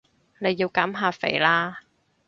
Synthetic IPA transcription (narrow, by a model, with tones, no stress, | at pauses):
ne˨˧jːiː˧wkaː˨˥mɦaː˨˩fḛ˨˩jlaː˧